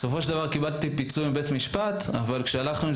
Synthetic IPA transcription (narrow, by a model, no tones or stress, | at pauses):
so̞fo̞ʃeld̪avaʁkibadt̪ipit͡suimbe̞t̪miʃpat̪a̰valkʃealaχnu